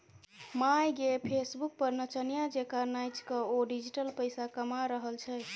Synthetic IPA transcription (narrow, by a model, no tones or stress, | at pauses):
majɡepʰesbuk̚pəɾnət͡ʃənijad͡ʒekaɾnajt͡ʃkəoɖid͡ʒiʈəlpəjsakəmaɾəɦəlt͡ʃʰɛ